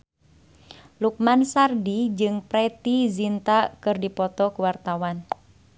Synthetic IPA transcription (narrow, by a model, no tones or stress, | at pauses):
luk̚mansardid͡ʒɨŋpɾɛt̪izint̪akɨrdipɔt̪ɔkuwart̪awan